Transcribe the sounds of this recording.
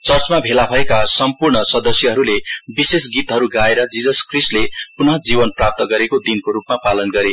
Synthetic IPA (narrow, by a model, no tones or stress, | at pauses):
t͡sʌrt͡smabʱelabʱʌekasʌmpurɳʌsʌd̪ʌsjʌɦʌɾulebisesɡit̪ɦʌɾuɡaeɾʌd͡zid͡zʌskrisʈlepunʌd͡zibʌnprap̚t̪ʌɡʌɾekod̪inkoɾupmapalʌnɡʌɾe